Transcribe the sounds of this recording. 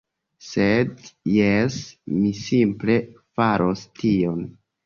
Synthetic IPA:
sedjesmisimple̞faɾʔostʰio̞n

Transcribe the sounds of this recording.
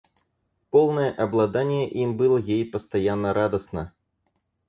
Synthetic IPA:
pɔlˠnɐjɛʔɐblˠad̪anʲːɛʔimbɨlˠɐjejpɐst̪ajanːɐɾʔad̪ɐsnɐ

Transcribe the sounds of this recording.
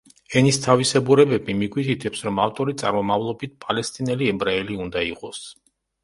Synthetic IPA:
ɛnist̪ʰavisɛbuɾɛbɛbimiɡwit̪ʰit̪ʰɛpsɾɔmaft̪ʼɔɾit̪sʼa̰ɾmɔmavlˠɔbit̪̚ʰpʼalɛst̪ʼinɛliɛbɾaɛliund̪aiqʼɔs

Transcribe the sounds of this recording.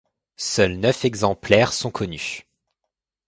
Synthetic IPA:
sœlnœfɛɡzɑ̃plɛʁsɔ̃kʰɔny

